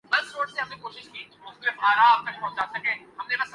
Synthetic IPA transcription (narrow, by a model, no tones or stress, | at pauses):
bɐlsɾoːʈseɦɐmẽkoːʃɪʃkiːʊslebʱaːɾaaːb̚t̪ɐk̚pɐ̃ɦʊ̃d͡ʒaːsɐkẽːɦɐmlebas